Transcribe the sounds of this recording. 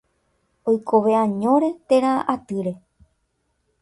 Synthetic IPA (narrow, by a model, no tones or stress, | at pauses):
ojkʰo̞ʋeãɲõ̞ɾe̞t̪e̞ɾaʔat̪ɨɾe̞